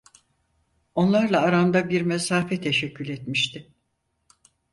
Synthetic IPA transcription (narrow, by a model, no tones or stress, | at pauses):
o̞nlˠaɾlˠaːɾamd̪abiɾmesaːfɛt̪ʰeʃɛcʰːylʲɛt̪miʃt̪ʰɪ